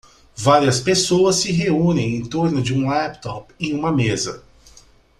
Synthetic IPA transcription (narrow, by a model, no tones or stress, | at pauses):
vaɾiɐspesowɐsːɪɦeũnẽj̃ẽj̃t̪oɾnʊd͡ʒɪũlɛpt̪ɔpẽũmɐmezɐ